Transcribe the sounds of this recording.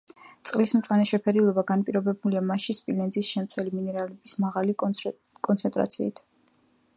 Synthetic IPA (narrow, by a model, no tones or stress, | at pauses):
t̪sʼqʼlismt̪ʼwanɛʃɛpʰɛɾilˠɔbaɡanpʼiɾɔbɛbuliamaʃispʼilɛnzisʃɛmt̪sʰwɛliminɛɾalɛbismaʁali | kʼɔnt̪sʰɛnt̪ʼɾa̰t̪sʰḭːt̪ʰ